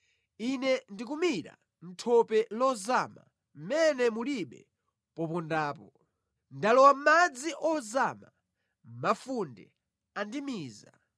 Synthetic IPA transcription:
inɛndik̬umiɾa̰ | n̩tʰɔpɛlɔzama̰ | m̩mɛnɛmuliɓɛ̰ | pɔpɔndaːpɔ | ndalɔwamad͡ziʔɔzama | mafundɛ̰ | andimiːza

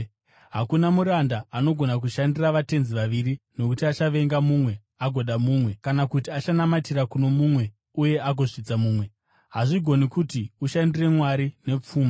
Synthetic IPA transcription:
ɦakunamuɾandaano̞ɡʱo̞nak̬uʃandiraʋate̞nziʋaʋirino̞kutiat͡ʃaʋe̞ŋɡamumwe̞ | aɡʱo̞ɗamuːmwe̞kanakutiat͡ʃanamatirakunomumwe̞ | uje̞ʔaɡʱo̞ʐid͡zamuːmwe̞ | ɦaʐiɡʱo̞nikutiuʃandire̞mwaɾine̞p͡fuːma

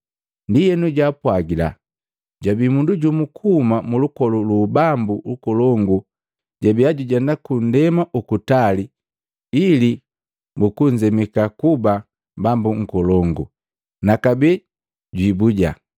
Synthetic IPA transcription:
ndijɛnuɟapwaɡila̰ | ɟabimunduɟumukʰuːmamulukɔlulubambulukɔlɔŋɡu | ɟabiaɟuɟandakun̩dɛmaʔukutali | ili | mukuɲd͡ʒɛmɛkakuba | bambuŋ̩kɔlɔŋɡu | nakabɛ | ɟwibuɟa̰

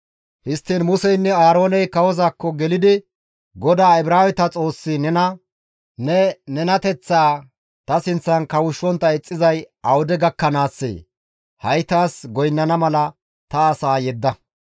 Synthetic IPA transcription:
hɪst̪ːiːnmʊsɛjnːɛaːɾo̞ːnɛjkɐwɔzaːkːɔɡɛlɪd̪ɪ | ɡɔd̪aːɪbɾaːwɛt̪ɐt͡sʼo̞ːsːɪnɛnɐ | nɛnɛnɐt̪ɛt͡sːaː | t̪ɐsɪnt͡sːɐnkɐwʊʃːɔnt̪ːɐɛt͡sʼːɪzɐjʔɐwɔd̪ɛɡɐkːɐnaːsːḛː | hɐjt̪aːsɡɔjnːɐnɐmɐlɐ | t̪ɐːsaːjɛd̪ːɐ

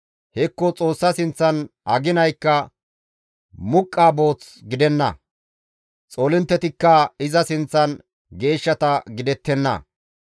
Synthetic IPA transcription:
hɛkːɔt͡sʼo̞ːsːɐsɪnt͡sːɐnʔɐɡɪnɐjkːɐ | mʊkʼːaːbo̞ːt͡s | ɡɪd̪ɛnːɐ̰ | t͡sʼoːlɪnt̪ːɛt̪ɪkːɐɪzɐsɪnt͡sːɐn | ɡe̞ːʃːɐt̪ɐɡɪd̪ɛt̪ːɛnːɐ̰

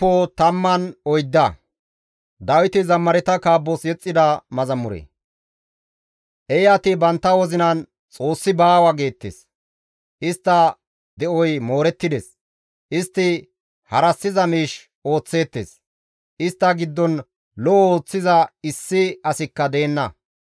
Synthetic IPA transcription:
ɔt̪ɐmːɐnɔjd̪ːɐ | d̪ɐwɪt̪ɪzɐmːɐɾɛt̪ɐkaːbːɔsjɛt͡sʼːɪd̪ɐmɐzɐmːʊɾḛː | ʔɛjɐt̪ɪbɐnt̪ːɐwɔzɪnɐn | t͡sʼo̞ːsːɪbaːwɐɡe̞ːt̪ːḛːs | ʔɪst̪ːɐ | d̪ɛʔɔjmo̞ːɾɛt̪ːɪd̪es | ʔɪst̪ːɪ | hɐɾɐsːɪzɐmiːʃ | o̞ːt͡sːe̞ːt̪ːḛːs | ʔɪst̪ːɐɡɪd̪ːɔn | lɔʔɔoːt͡sːɪzɐɪsːɪɐsɪkːɐd̪e̞ːnːɐ

